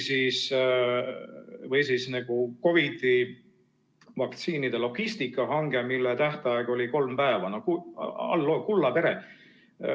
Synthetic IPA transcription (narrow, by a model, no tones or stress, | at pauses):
sis | vɤjsiːsnæɡ̥uko̞vid̪i | vɑk̚t̪siːnid̪̥e̞lo̞ɡ̥ist̪ikːˑɑɦɑŋɡ̥e̞milːet̪æht̪ɑeɡ̥o̞liko̞lmpæevɑnokuɑ̰lːokulːɑpe̞ɾe